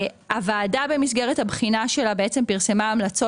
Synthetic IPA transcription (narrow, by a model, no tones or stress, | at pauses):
avaːdabe̞misɡeʁethabχinaʃe̞labeet͡se̞mpiʁse̞maːmlat͡so